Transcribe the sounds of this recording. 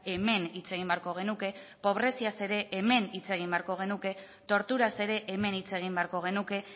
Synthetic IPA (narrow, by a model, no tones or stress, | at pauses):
e̞me̞nit͡se̞ɣ̞imbe̞aɾko̞ɣ̞e̞nuke̞po̞β̞ɾe̞siase̞ɾe̞ʔeme̞nit͡se̞ɣ̞imbeaɾko̞ɣ̞e̞nuke̞ | t̪o̞ɾt̪uɾase̞ɾe̞ʔeme̞nit͡se̞ɣ̞imbeaɾko̞ɣ̞e̞nuke̞